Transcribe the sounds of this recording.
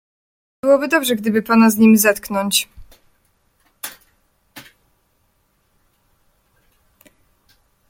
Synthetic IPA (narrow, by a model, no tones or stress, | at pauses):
bɘwɔbɘd̪ɔbʐɛɡd̪ɘbɘpanazɲimʲzat̪knɔɲt͡ɕ